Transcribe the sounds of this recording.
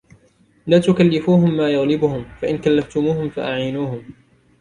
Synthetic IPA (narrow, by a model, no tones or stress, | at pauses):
laːt̪ʊkalːɪfuːɦʊmːaːjaɣlɪbʊhʊmfaʔɪnkalːaft̪ʊmuːhʊmfa̰ʔaʕinuːhʊm